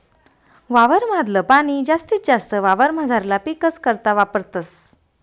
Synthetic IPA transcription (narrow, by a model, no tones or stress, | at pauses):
ʋaʋəɾm̤ad̪ləpaɽ̃id͡ʑast̪iːt̪̚d͡ʑast̪əʋaʋəɾmad͡zʱaɾlapikəskəɾt̪aʋapəɾt̪əs